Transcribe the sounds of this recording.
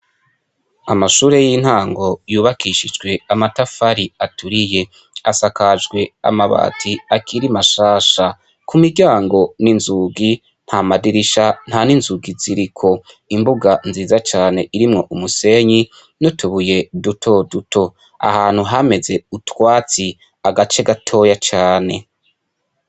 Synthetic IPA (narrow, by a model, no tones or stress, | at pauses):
amaʃuːɾe̞jin̥haːŋɡo̞juːβakiʃid͡ʒɡwe̞amatafaɾiatuɾije̞ | asakad͡ʒɡwe̞a̰maβa̰ːtʰiakʰiɾimaʃaːʃa | kumiɟaːŋɡo̞ninzuːɡi | n̥hamadiɾiʃan̥haninzuɡiziɾikʰo̞ | imbuɡanziːzat͡ʃaːne̞ʔiɾimŋo̞ʔumuse̞ɲi | notʰuβuje̞dutʰo̞dutʰo̞ | a̰haːn̥huɦame̞ze̞utwaːt͡si | aɡat͡ʃe̞ɡatʰo̞ːjat͡ʃaːne̞̰